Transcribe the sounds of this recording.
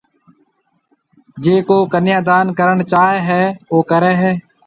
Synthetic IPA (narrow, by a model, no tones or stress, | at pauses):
d͡ʒeːkoːkənjãːd̪aːnkəɾəɳt͡ʃaːɦɛːɦɛːoːkəɾɛːɦɛː